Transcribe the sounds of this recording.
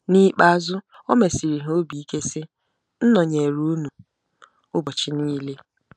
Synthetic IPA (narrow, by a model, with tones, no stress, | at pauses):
ni˦k͡pa˦˨˦zʊ˦ | ɔ˦me˨si˨ɾi˨ɦo˦bi˨i˦ke˦sɪ˦ | n̩˦nɔ˨ɲe˨ɾu˦nu˨ | ʊ˦bɔ˨t͡ʃɪ˦niː˦le˦